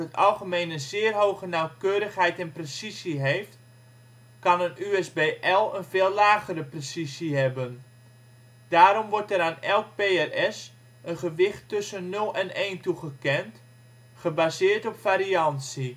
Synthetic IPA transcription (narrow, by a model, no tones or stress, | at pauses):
ətɑ̰lˠɣəmeːnənzɪːərɦowɣənawkøːɾəxɦɛjtɛnpresiziɦejft | kɑnənyɛsbeːʔɛlˠənvɪːlˠlaːɣəɾəpresisiɦɛbən | d̥aːɾɔmʋɔɹtəɾaːnɛlˠk̚peːɛrɛs | ənχəʋɪχtːɵsənːɵlˠɛneːntuχəkɛnt | χəbazɪːɹtɔpfaːɾiɑnsi